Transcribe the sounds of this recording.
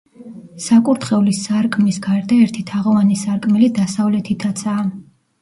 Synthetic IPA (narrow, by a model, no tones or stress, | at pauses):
sakʼuɾt̪χɛulisaɾkʼmisɡaɾd̪aɛɾt̪ʰit̪ʰaʁɔvanisaɾkʼmɛlid̪asavlɛt̪ʰit̪ʰat̪sʰaː